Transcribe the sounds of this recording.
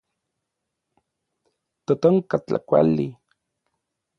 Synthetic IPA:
t̪ot̪oŋkat͡ɬa̰kʷa̰li

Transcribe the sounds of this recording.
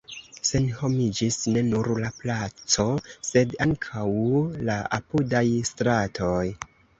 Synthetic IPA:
se̞nho̞mid͡ʒisne̞nuɾlaplat͡so̞se̞daŋkʰawlaa̰pudajstɾatʰo̞j

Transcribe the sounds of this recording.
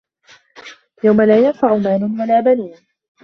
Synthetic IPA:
jawmalaːjanfaʕʊmaːnʊnwalaːbaniːn

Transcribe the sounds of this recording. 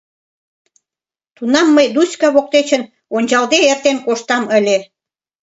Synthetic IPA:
t̪unɑmːəjd̪uskɑβok̚t̪et͡ɕə̆n | onʲt͡ɕɑld̪eert̪enkoʃt̪ɑməlʲe

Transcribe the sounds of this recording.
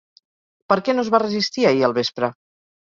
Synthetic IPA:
pəɾkɛnozβarəzist̪iaiəlˠβespɾə

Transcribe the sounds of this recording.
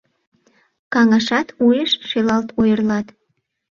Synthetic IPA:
kɑŋɑʃɑt̪ujəʃʃelɑlt̪ojərlɑt̪

